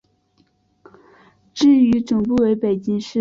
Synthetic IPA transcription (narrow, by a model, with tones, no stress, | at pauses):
ʈ͡ʂɻ̩˥˩y˧˥ʈ͡ʂʊ˨˩ŋpu˥˨we˧˥ɪpe˨˩ɪt͡ɕi˥ŋʂɻ̩˥